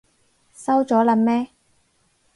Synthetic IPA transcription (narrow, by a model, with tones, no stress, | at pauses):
sɐ˥wt͡sɔː˨˥lɐ˨˥mmɛː˥